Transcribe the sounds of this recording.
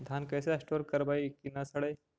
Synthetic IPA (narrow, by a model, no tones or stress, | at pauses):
d̪ʱankəjseəsʈɔɾkəɾbaikinasəɽəj